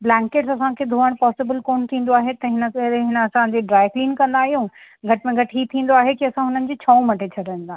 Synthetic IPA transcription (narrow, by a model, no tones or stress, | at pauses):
blɛ̃ːŋkeːʈsɐsãkʰed̪ʱoːəɽ̃pɔːsɪbəlkoːnt̪ʰĩːn̆d̪oaːɦet̪ɐɦɪnəɾeɦɪnəɐsãd͡ʑeɖɾaːɪfʰliːnkɐ̃nd̪aːɦijũɡʱɐʈɪmẽɡʱɐʈɦit̪ʰĩːn̆d̪oaːɦekiɐsãɦʊnənɪ̆d͡ʑeːt͡ɕʰɐːũmɐʈet͡ɕʰɐɖʱə̃nd̪aːɦ